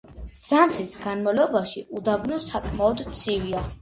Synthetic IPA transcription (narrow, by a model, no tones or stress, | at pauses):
z̥amt̪ʰisɡanmavlɔbaʃiʔud̪abnɔsakʼmaɔd̪t̪sʰivia